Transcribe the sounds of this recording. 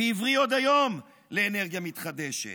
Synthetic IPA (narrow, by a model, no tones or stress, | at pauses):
ejivʁio̞d̪ajo̞m | leːne̞ʁɡjamit̪χad̪e̞ʃḛ